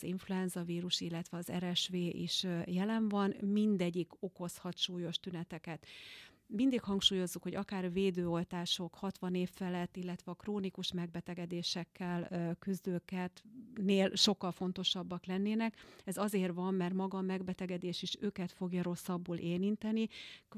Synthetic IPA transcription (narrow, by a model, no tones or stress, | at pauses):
ziɱfluɛnzɒviːɾuʃilːɛt̪ʋɛɒzɛ̰ɾɛʃʋeːʔḭʃjɛlɛɱvɒnmind̪ɛɟːiko̞ko̞shɒt̪ʃuːjo̞ʃt̪ynɛt̪ɛkɛt̪ | mind̪ikhɒŋkʃuːjo̞zːukho̞ɟɒkaːrveːd̪øːo̞lt̪aːʃo̞khɒt̪ʋɒneːfːɛlɛt̪ːilːɛt̪ʋɛɒkroːnikuʃmɛɡ̚bɛt̪ɛɡɛd̪eːʃɛkːɛlkyzd̪øːkɛt̪neːlʃo̞kːɒlfo̞nt̪o̞ʃɒbːɒklɛnːeːnɛkɛzɒzeːrvɒmːɛrt̪mɒɡɒːmɛɡbɛt̪ɛɡɛd̪eːʃiʃøːkɛt̪fo̞ɡjɒɾo̞sːɒbːuːlʔeːlint̪ɛni